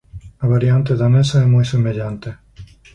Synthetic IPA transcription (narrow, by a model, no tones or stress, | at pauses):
aβaɾjant̪eðanesaɛmɔjsemeʎant̪e